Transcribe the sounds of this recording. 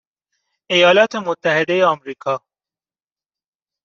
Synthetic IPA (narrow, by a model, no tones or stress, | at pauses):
ɪjɑːlɑːt̪emʊt̪ːahɪd̪ejeamɾiːkʰɑː